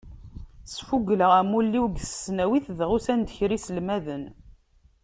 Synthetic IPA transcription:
sfuɡləʁæmulːiwɡsə̥sːnæwiθðʁusænd̪əçɾisəlmæðən

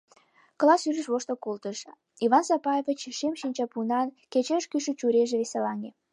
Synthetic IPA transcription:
klɑsyɾəʃβoʃt̪okolt̪əʃ | iβɑnsɑpɑjevʲit͡ɕʃemʃinʲt͡ɕɑpunɑnket͡ɕeʃkyʃət͡ɕuɾeʒeβeselɑŋʲe

